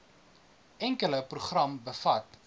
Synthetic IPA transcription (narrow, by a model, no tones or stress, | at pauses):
ɛŋkələpruχrɐmbəfɐt